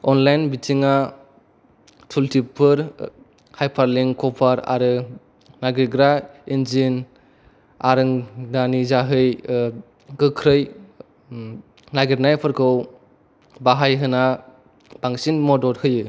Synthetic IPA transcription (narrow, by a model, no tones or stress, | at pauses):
ɔnlajnbitʰiŋa | tʰultʰipʰɯɾ | hajpʰaɾliŋkʰɔpʰaɾa̰ɾɯ | naɡɾiɡɾainzin | aɾɯŋdanizaɦɯj | ɡɯkʰɾɯj | naɡiɾnajpʰɯɾkʰɯw | baɦajɦɯna | b̥aŋsinmɔdɔɾhɯjɯ